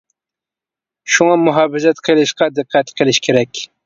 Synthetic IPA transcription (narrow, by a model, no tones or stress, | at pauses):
ʃuŋɑmʊɦɑːbɪzɛt̪qʰəlˠɪʃqɑd̪ɨqʰːæt̪qʰəlˠɪʃkʲʰeɾɛkʲ